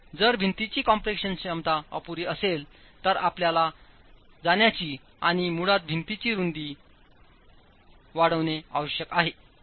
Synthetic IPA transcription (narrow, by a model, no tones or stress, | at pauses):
d͡zəɾbʱint̪it͡ɕiːkɔmpɾekɕənɕəmt̪aə̰puɾiəsel | t̪əɾapljala | d͡zaɳjat͡ɕiː | aɽ̃imuɽat̪̚bʱint̪it͡ɕiːɾund̪i | ʋaɽəʋnea̰ʋəɕjəkaɦe